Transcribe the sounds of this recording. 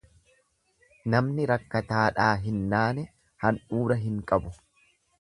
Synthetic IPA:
nɐmnɪɾɐkːɐt̪aːᶑaːɦɪnːaːnɛ | hɐnʔuːɾɐɦɪŋkʼɐbʊ

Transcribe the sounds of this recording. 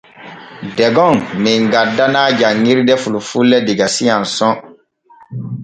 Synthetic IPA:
dɛɡɔŋmiŋɡadːanad͡ʒaŋːiɾidɛfulufulːɛdiɡasijãnsɔ̃

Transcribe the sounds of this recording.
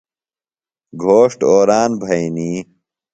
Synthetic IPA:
ɡʱoːʂʈoːɾaːnbʱɐiniː

